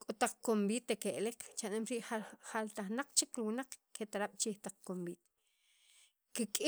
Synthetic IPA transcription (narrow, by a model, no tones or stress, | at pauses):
kʼot̪aq͡χkombiːt̪ekeʔlekt͡ʃanemɾiʔaχalt̪aχnaq͡χt͡ʃikɾiwinaq͡χkʰet̪aɾaɓ̥t͡ʃiːht̪aq͡χkombiːt̪e̥ | kikʼi